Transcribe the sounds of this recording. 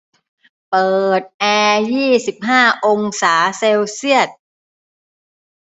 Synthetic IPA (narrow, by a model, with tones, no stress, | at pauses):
pɤː˨˩t̪̚ʔɛː˧jiː˥˩si˨˩p̚ɦaː˥˩ʔo˧ŋsaː˩˦se˧wsi˥˩ət̪̚